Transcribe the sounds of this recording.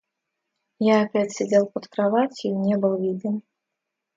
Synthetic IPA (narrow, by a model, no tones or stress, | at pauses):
jaːpʲat͡sʲsʲɛd͡zʲelˠpɐt̪kɾavat͡sʲinʲɛbɨlˠvʲid̪ɨm